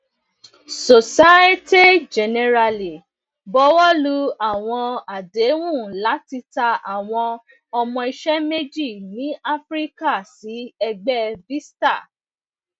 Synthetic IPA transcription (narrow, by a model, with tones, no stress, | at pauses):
so˨sa˦e˦te˦d͡ʒɛ˨nɛ˧ɾa˧li˨ | bɔ˨˦wɔ˦lu˦a˦˨w̃ɔ̃˧a˨de˨˦wũ˦˨la˨˦ti˧ta˧a˨w̃ɔ̃˧ | ɔ˧mɔ̃˧i˧ʃɛ˦me˦d͡ʒi˦˨nĩ˨˦ʔa˦fɾi˦ka˦˨si˨˦ɛ˧ɡ͡bɛ˦vi˦sta˦˨